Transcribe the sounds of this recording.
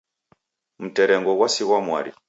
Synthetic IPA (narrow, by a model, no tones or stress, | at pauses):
m̩tɛɾɛŋɡɔɣwasiɣwamwa̰ɾḭ